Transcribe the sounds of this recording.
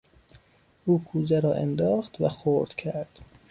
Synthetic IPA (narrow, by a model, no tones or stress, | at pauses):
uːkʰuːzæɾɒːʔḛnd̪ɒːxt̪væxoɾd̪̥cʰæɾd̪̥